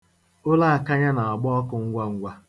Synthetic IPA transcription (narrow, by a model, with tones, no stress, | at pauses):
ʊ˦la˦a˨ka˦ɲa˦na˨a˨ɡ͡bɔ˦ɔ˦kʊ˨ŋ̩˦ɡʷa˦ŋ̩˦ɡʷa˦